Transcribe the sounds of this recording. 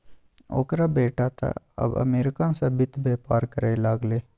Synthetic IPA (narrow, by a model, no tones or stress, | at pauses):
o̰ːkɾabeːʈat̪ʰa̰ | ɐ̰bɐ̰meːɾɪkansɐbɪt̪beːpaːɾkəɾelaːɡleː